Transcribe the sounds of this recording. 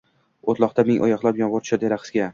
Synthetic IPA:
ot̪lˠɒqt̪ameŋʔɒ̰jɒχlˠapjɒnʁoɾt̪t͡ʃad̪eɾaqɨ̥sɡʲa

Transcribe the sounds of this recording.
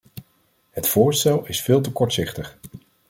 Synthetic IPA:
ɦətfʊːɹstɛlˠɪsfɪːlˠt̬əkɔɹtsɪχtəχ

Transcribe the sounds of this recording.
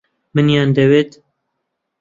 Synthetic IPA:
mɨnjɑːnd̪ɛweːt̪

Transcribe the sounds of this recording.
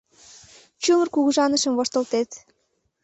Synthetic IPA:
t͡ɕumərkuɣuʒɑnəʃəmvoʃt̪ə̆lt̪et̪

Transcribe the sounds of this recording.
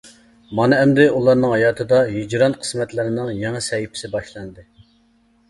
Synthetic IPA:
mɑnɨɛmd̪ɪulˠɑɾnɨŋɦɑjɑːt̪ʰɨd̪ɑɦyd͡ʒɾɑnqʰə̥smɛt̪lɪɾɪnɨŋjɛŋɨsɛjipʰɪ̥sɪbɑʃlˠɑnɨd̪ɨ

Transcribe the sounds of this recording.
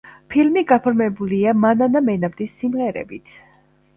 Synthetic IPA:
pʰilmiɡapʰɔɾmɛbuliamananamɛnabd̪isːimʁɛɾɛ̰bit̪ʰ

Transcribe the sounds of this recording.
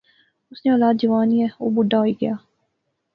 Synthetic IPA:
ʊsneɔːlaːd̪̚d͡ʒɐʋaːniɛo̰ːbʊɖːaɦoiɡɐjaː

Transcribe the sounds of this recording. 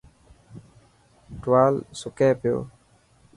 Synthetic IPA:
ʈwaːlsʊkẽːpɪjo̰ː

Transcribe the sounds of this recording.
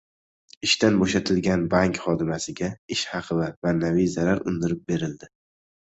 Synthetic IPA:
ɪʃt̪ʰanboʃat̪ʰɪlɡʲanbaŋkχɒd̪ɪmasɪɡʲaɪʃhɑqʰɨvamanːavijzaɾaɾʊ̰nd̪ɪɾɪp̚be̞ɾɪld̪ɪ

